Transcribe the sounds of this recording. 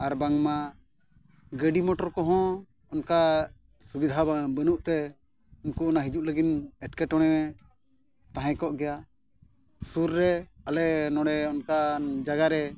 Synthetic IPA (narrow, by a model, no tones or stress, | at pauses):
aɾbaŋma | ɡəɖimɔʈɔɾkɔɦɔ̃ | ɔnka | subid̪ʱababənuʔt̪ɛ | inkuɔnaɦid͡ʒuʔləɡinɛʈ̚kɛʈɔɽ̃ɛwɛ | t̪aɦɛ̃kɔʔɡɛja | suɾːɛalɛʔnɔ̃ɽɛɔnkad͡ʒaɡaɾɛ